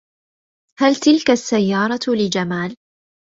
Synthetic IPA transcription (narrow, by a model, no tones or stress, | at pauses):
halt̪ɪlkasːajːɑːɾˤɑlɪd͡ʒamaːl